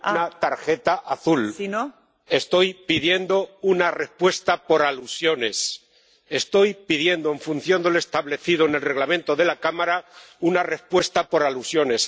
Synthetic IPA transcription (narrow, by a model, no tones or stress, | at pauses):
nat̪aɾxet̪aʔaθuln | e̞st̪o̞jpiðje̞nd̪o̞unare̞spwe̞st̪apo̞ɾalusjo̞ne̞s | e̞st̪o̞jpiðje̞nd̪oe̞ɱfun̟θjo̞nd̪ele̞st̪aβle̞θiðoenelre̞ɣlamẽnt̪o̞ðe̞lakamaɾaunare̞spwe̞st̪apo̞ɾalusjo̞ne̞s